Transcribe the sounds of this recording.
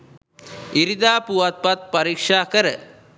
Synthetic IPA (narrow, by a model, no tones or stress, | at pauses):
iɾid̪aːpuʋat̪̚pat̪̚paɾikʂaːkəɾə